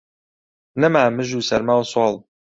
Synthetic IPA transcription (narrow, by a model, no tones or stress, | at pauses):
nɨmaːmɨʒuːsɛɾmaːwswɑːlˠ